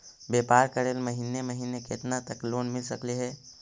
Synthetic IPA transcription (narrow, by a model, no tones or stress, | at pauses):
bepaːɾkəɾeːlməɦineməɦinekḛt̪nat̪əklonmɪlsəkliɦɛ